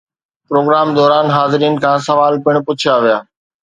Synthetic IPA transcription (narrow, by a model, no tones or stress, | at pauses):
pɾoːɡɾaːmd̪ɔːɾaːnɦaːzɪɾiːən̆kʰãːsɐʋaːlpɪɽ̃pʊt͡ɕʰaʋijaː